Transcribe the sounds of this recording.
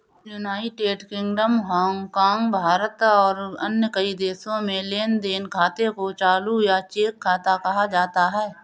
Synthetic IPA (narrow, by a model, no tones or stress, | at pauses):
junaːɪʈeːɖkɪ̃ŋɡɖəmɦɔ̃ːŋkaːŋɡbʱaːɾət̪ɔːɾənjəkəid̪eːsõmẽleːnd̪eːnkʰaːt̪ekot͡ʃaːlujat͡ʃeːkʰːaːt̪akɐɦad͡ʒaːt̪aɦɛː